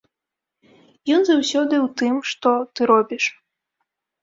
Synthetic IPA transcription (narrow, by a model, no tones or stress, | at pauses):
jɔnzawsʲɔd̪ɨwt̪ɨmʂt̪ɔt̪ɨɾɔbʲiʂ